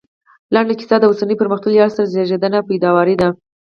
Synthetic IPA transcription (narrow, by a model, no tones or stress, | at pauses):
lɑɳɖlaki̥sɑd̪əusanəjpəɾməxt̪əljɑɽsaɾazeʒed̪ənapəid̪ɑwɑɾed̪a